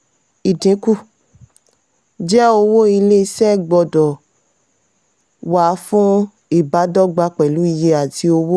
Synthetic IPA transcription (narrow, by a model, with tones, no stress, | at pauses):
i˨dĩ˨˦ku˦˨ | d͡ʒɛ˦o˧wo˦i˧le˦i˧sɛ˦˨ɡ͡bɔ˧dɔ˨ | wa˨˦fũ˦ | i˦˨ba˨˦dɔ˦ɡ͡ba˧k͡pɛ˨lu˨˦i˧je˧a˨ti˧˦o˧wo˦